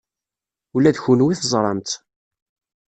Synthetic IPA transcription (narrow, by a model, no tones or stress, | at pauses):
ulːæðçunwiθəzˤɾˤɑmt̪